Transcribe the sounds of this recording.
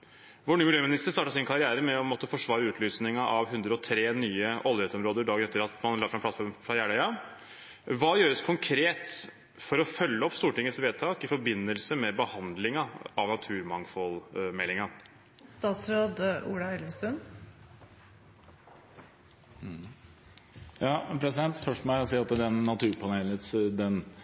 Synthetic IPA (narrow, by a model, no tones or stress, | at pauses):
ʋɔɳyːmɪljøːmɪnɪst̪əst̪ɑːʈɑsɪnkʰɑɾɪæːɾəmɛɔmɔt̪ːəfɔʂʋɑːɾʉːt̪ʰlyːsnɪŋɑʔɑʋɦʉnd̪ɾəɔt̪ʰɾeːnyːəʔɔlˠjɛːt̪ɔmɾoːd̪əɾɖɑːɡəɾɛt̪ːəɾɑt̪mɑnlɑːfɾɑmpʰlɑt̪fɔɾmfɾɑjæːɳœʏɑ | ʋɑːjøːɾəskʰʊŋkʰɾeːt̪ | fɔɾɔfœlːəɔpːst̪uːʈɪŋːət̪sʋeːd̪̚t̪ʰɑːkɪfɔɾbɪnːəlsəmɛbəhɑnd̪lɪŋɑɑʋnɑt̪ʰʉːɾmɑŋfɔlmɛlːɪŋɑ | st̪ɑːt̪sɾoːd̪uːɽɑɛlʋəst̪ʉn | jɑːpʰɾɛsɪd̪ɛnt̪fœʂʈɔmsiːɑt̪ːd̪ɛnːɑt̪ʰʉːɾpʰɑneːlnət̪sd̪ɛn